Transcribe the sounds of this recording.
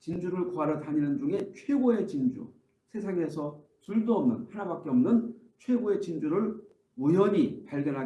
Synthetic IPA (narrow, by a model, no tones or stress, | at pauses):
t͡ɕind͡ʑuɾɯɭkoaɾʌdaɲinɯnd͡ʑuŋe̞t͡ɕʰwe̞ɡoe̞t͡ɕind͡ʑṵ | sʰe̞sʰaŋe̞sʰʌ | tuɭdoʌmnɯnhanabak͈e̞ʌmnɯn | t͡ɕʰwe̞ɡoe̞t͡ɕind͡ʑuɾɯɭ | mujʌɲipaɭɡjʌnɦaɡ